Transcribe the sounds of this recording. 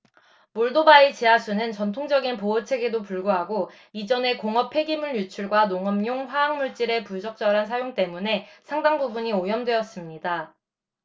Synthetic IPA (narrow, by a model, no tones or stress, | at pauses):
moɭdobait͡ɕeasʰunɯnt͡ɕʌntʰoŋd͡ʑʌɡinpoʌt͡ɕʰe̞ɡe̞dopuɭɡoɦaɡo | id͡ʑʌne̞koŋʌpʰe̞ɡimuɭjut͡ɕʰuɭɡwanoŋʌmɲoŋɸwaːŋmuɭt͡ɕ͈iɾe̞pud͡ʑʌk̚t͡ɕ͈ʌɾansʰajoŋt͈e̞mune̞sʰaŋdaŋbubuɲiojʌmdwe̞ʌs͈ɯmɲida